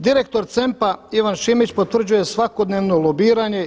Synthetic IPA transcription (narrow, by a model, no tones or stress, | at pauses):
d̪iɾe̞k̚t̪o̞ɾt̪se̞mpaiʋanʃimit͡ɕpo̞t̪ʋr̩d͡ʑuje̞sʋako̞d̪ne̞ːʋno̞lobiːɾaɲe̞